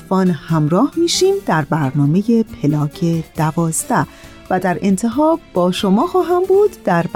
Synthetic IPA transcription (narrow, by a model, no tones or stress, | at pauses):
fɒːnhæmɾɒːhmiːʃiːmd̪æɾbæɾnɒːme̞je̞pʰelɒːcʰe̞d̪̥ævɒːzd̪æ | væd̪æɾe̞̰nt̪ʰe̞ɦɒːbbɒːʃo̞mɒːxɒːɦæmbuːd̪ːæɾb